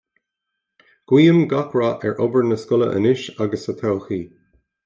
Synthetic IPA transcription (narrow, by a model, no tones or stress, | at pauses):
ɡ̥wiːəmɡakʰɹaʔɛɹʔɔbəɹnəskʊlə̰ʔə̰nɪʃaɡəsət̪ʰɛlˠxiː